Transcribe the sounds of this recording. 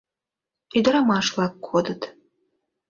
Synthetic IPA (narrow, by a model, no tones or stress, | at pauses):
yd̪ə̆ɾɑmɑʃvlˠɑkːʰod̪ət̪